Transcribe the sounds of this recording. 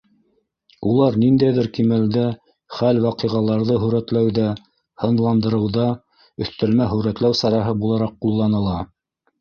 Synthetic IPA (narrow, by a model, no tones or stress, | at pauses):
ulˠɑɾnind̪æjðɘɾkimæld̪æ | χælwɑqɤʁɑlˠɑɾðɤɦɵ̆ɾæt̪læwðæ | hɤ̆nlˠɑnd̪ɤ̆ɾɤ̆wðɑ | ɵ̆θt̪æ̆lmæɦɵ̆ɾæt̪læwsɑɾɑɦɤbulˠɑɾɑqːulˠːɑnɤ̆lˠɑ